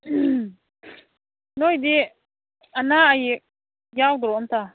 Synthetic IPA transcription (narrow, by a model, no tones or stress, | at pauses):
noid̪i | anaaji | jawd̪ʊɾoʊnt̪a